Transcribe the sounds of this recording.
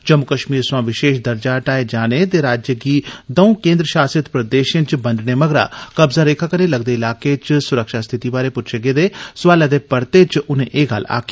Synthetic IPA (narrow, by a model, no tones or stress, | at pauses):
t͡ʃəmːʊkəʃmiːɾswãːʋɪʃeːʃd̪əɾd͡ʒaːʈaːed͡ʒaːnet̪eɾaːd͡ʒjəɡiːd̪əũkẽːnd̪ɾəʃaːsət̪pɾəd̪eːʃə̃nt͡ʃbəɳɖneːməɡɾa̰ːkəbzaːɾeːkʰaːkəneːləɡd̪eːɪlaːket͡ʃsʊɾəkʃaːst̪ʰɪt̪ibaːɾepʊtːʃʰeɡeːd̪eːsʊʋaːlad̪eːpəɽt̪et͡ʃʊnḛ̃ʔeːɡa̰la̰ːki̥ː